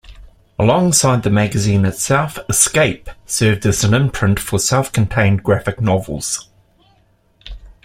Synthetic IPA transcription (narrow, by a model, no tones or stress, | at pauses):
əlɒ̃ŋsaɪd̪̚ðəmæɡəzĩnɨtsɛlˠfəskeɪpsɜːvdəzə̃nɪ̃mpʰɹ̥ɪ̃ntfəsɛlˠfkʰə̃n̩tʰẽɪ̃nɡɹæfɨk̚nɒvəl̩ˠz̥